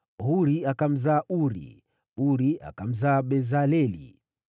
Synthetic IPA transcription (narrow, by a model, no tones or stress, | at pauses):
ɦuɾiakam̩zaːʔuɾḭ | uɾia̰kam̩zaːɓɛzalɛlḭ